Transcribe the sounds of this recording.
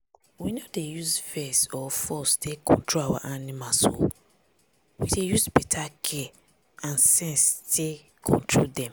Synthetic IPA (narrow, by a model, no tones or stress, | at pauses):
winodejusvɛsɔfɔstekʰɔ̃ntʰɹoawa̰ʔanimaso̰ | widejusbɛtʰakʰɛ | ãnsɛ̃nstʰe | kʰɔ̰̃ntʰɹoldɛ̃m